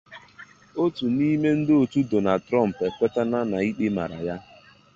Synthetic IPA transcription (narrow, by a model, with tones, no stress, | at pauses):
o˦tu˨ni˦me˦n̩˦dɪ˦o˨tu˦do˨na˨tɾɔ˦˨m̩˨pe˨kʷe˦ta˦na˦na˨i˦k͡pi˦ma̰˨ɾa̰˨ja˦